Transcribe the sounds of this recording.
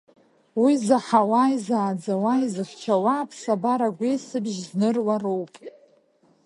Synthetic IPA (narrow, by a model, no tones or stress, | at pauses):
wizaħawajzaːd͡zawajzɨχʲt͡ʃʰawapʰsabaɾaɡʷesɨbʒznɨrwarowpʼ